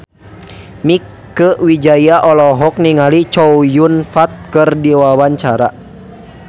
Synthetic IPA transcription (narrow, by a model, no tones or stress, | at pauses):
mikː | əwid͡ʒajaʔɔlɔɦɔk̚niŋalit͡ʃɔujunfat̪̚kərdiwawaɲt͡ʃaɾa̰